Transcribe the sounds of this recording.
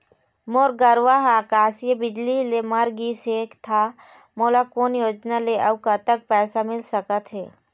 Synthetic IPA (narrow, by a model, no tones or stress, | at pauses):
moːɾɡəɾʋaɦaːkaːsjəbɪd͡ʒlilemɐɾɡiːseːkt̪ʰa | moːlakoːnjoːd͡ʒnaleʔɐbkət̪ək̚pɛːsamɪlsəkət̪ɦeː